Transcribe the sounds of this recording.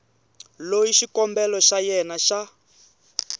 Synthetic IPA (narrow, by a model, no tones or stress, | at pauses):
lojiʃikɔmbɛlɔʃajɛnaʃa